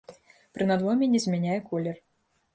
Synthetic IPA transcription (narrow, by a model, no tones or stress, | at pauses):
pɾɨnad̪vɔmʲɛnʲɛzʲmʲɛnʲajɛkɔlʲɛr